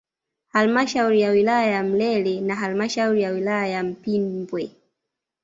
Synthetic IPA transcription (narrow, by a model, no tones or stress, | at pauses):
halmaʃauɾijawilajajam̩lɛlɛnaɦalmaʃauɾijawilajajam̩pimbwɛ